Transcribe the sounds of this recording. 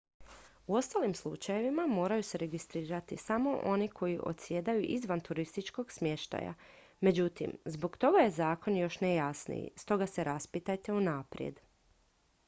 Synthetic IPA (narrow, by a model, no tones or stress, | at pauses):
uo̞st̪alimslˠut͡ʃaje̞ʋimamo̞ːɾajuseɾe̞ɡist̪ɾiːɾat̪isamo̞ʔo̞nikʰo̞jiʔo̞̰t̪sje̞d̪ajuʔizʋant̪uɾist̪it͡ʃko̞ɡsmje̞ʃt̪a̰ja̰ | me̞d͡ʑut̪ḭmzbo̞kt̪o̞ɡaje̞zaːko̞njo̞ʃnejasnḭḭst̪o̞ɡase̞ɾaspit̪ajt̪e̞unaːpɾjḛd̪